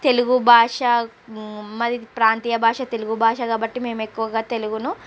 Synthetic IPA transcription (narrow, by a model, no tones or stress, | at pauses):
t̪e̞luɡubʱaːʂɐ | mɐd̪ipɾaːnt̪iːjɐbʱaːʂɐt̪e̞luɡubʱaːʂɐkaːbɐʈːime̞ːmekːuʋɐɡaːt̪e̞luɡunu